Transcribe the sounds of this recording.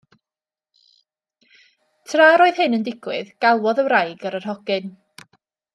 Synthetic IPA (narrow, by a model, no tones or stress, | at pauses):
tʰraːɾoːɨð̥hɨnəndɪɡ̥wɨðɡ̥alˠwɔðəwɾajɡaɾərɦɔɡ̥ɨn